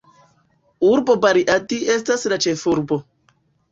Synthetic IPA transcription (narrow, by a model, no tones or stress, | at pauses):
uɾbobaɾiʔatiʔestaslat͡ʃefuɾbo